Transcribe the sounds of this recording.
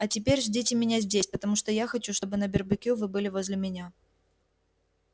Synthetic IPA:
ɐtʲɪpʲeɾʲʐdʲitʲɪmʲɪnʲazʲdʲesʲpət̪ɐmuʂt̪ojaxɐt͡ɕuʂt̪o̞bɨnəbʲɪrbɨkʲevɨbɨlʲɪvozʲlʲɪmʲɪnʲa

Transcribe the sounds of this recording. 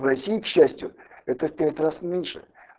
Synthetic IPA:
vrɐsʲijikɕːæsʲtʲjʊɛt̪əfpʲætʲrasnʲenʲʂɨ̰

